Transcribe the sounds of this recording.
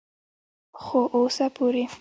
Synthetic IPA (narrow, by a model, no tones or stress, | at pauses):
xoʔosapʰoɾe